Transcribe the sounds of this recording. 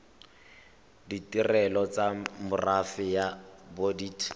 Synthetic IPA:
ditirɛlɔt͡samʊrafɪjabodiːtʰ

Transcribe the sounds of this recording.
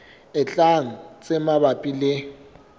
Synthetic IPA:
ɪt͡ɬʼaŋ̩t͡sʼɪmabapʼilɪ

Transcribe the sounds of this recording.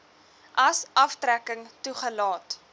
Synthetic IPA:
ʔɐsʔɐftrækəŋtuχəlɑːt

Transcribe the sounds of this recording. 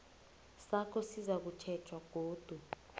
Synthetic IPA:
sakʰɔsizak̬ut͡ʃʰɛt͡ʃʰwaɡ̥ʱoːd̥ʱu

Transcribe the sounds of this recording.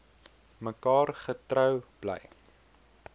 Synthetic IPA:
məkɑːrχətrəwb̥lə̰j

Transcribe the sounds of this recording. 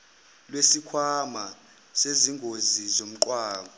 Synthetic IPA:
lwesikʰwama | seziŋʱozizom̩ǃwaːɓɔ

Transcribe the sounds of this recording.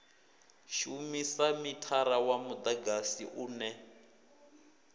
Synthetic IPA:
ʃumisamitʰaɾawamud̪aɡasḭʔuːnɛ

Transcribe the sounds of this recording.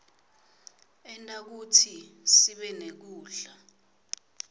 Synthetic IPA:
ɛntʼak̬utʰisiɓɛnek̬uːɮa

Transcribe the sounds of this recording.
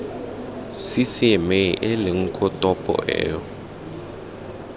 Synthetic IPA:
sisɪmeʔɪlɪŋ̩kʰʼɔtʼɔpʼɔ̰ʔɛ̰ːɔ

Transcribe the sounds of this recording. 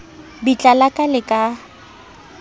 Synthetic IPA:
bit͡ɬʼalakʼalɪkʼa

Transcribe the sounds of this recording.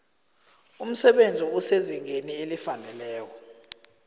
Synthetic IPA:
um̩sɛɓend͡zʱiuseziŋʱenielifanɛlɛːkɔ

